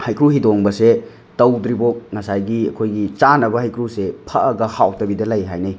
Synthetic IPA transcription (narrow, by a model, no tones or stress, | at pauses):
hajkʰɾuhidoŋbɐse | tɐwdɾibok̚ŋɐsajɡiɐ̰kʰojɡit͡ʃanɐbɐɦɐjkʰɾusepʰɐɐɡɐhawtɐbidɐlɐjɦajnɐj